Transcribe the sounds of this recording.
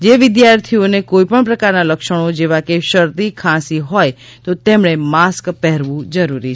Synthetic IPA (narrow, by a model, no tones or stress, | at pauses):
d͡ʒeʋɪd̪jaɾt̪ʰionekoipəɳpɾəkaɾnaləkʃəɽ̃od͡ʒeʋakeʃəɾt̪ikʰãsiɦɔj | t̪ot̪emɳemaskpɛɦɾʋũd͡ʒəɾuɾi